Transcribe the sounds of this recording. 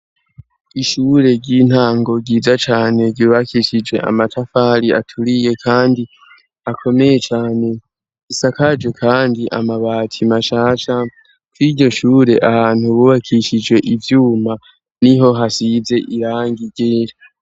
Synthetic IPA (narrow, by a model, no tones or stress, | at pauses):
iʃuːɾe̞ɟin̥aːŋɡo̞ɡiːzat͡ʃaːne̞ɡuːβakʰiʃid͡ʒwe̞̰ʔa̰matʰafaɾia̰tʰuɾije̞kʰaːndi | akʰo̞me̞je̞t͡ʃaːne̞ | isakad͡ʒwe̞kʰaːndiʔa̰maβaːtʰimaʃaːʃa | kwiɟo̞ʃuːɾe̞ʔahaːn̥huβuβakʰiʃid͡ʒwe̞ʔivjuːma | niɦo̞ɦasize̞ʔiɾaːŋɡiɡeːɾa